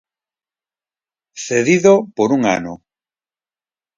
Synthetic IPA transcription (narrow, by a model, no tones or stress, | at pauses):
θeðiðopoɾuŋa̰no